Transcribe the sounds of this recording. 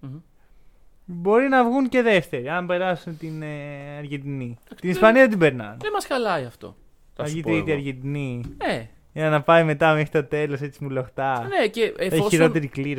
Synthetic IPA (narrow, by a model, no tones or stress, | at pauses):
bo̞ɾinɐvɣunce̞ðe̞ft̪e̞ɾiɐmbe̞ɾɐsunt̪inɐɾʝid̪iniɐt̪inispɐniɐt̪̬ibe̞ɾnɐ̰nemɐsxɐlɐiɐft̪o̰ | θɐɐʝit̪ɾit̪iɐɾʝind̪inine | ʝɐnɐpɐjme̞t̪ɐmexɾit̪o̞t̪e̞lo̞se̞t͡simuloxt̪ɐneceeosçiɾo̞t̪e̞ɾikliɾ